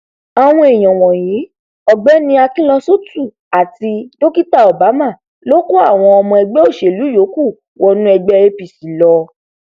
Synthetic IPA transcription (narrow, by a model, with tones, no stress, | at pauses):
a˨w̃ɔ̃˧e˨j̃ɔ̃˨w̃ɔ̃˨jĩ˨˦ | ɔ˨ɡ͡bɛ˨˦nĩ˧˦a˧ki˦lɔ̃˧so˦tu˦˨ | a˨ti˧do˦ki˦ta˦˨ɔ˨ba˨˦mã˦˨ | lo˦ko˦a˦˨w̃ɔ̃˧ɔ˧mɔ̃˧ɛ˧ɡ͡bɛ˦o˦˨ʃe˨lu˨˦jo˨˦ku˦˨ | wɔ˧nũ˦ɛ˧ɡ͡bɛ˦˧e˧pi˨si˨˦lɔ˧